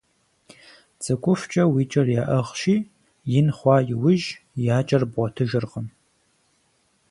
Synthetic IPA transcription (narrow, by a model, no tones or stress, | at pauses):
t͡sʼɨkʷʼʊft͡ʃʼɐwiːt͡ʃʼɐrjaːʔɐʁʃiː | jɪnχʷɑːjɪwʊʒjaːt͡ʃʼɐrbʁʷɐtʰɨʒɨrqəm